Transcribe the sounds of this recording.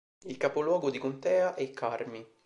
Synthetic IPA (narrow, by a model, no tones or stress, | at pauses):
ilkapolwɔːɡod̪ikont̪ɛːaʔɛkʰːarmi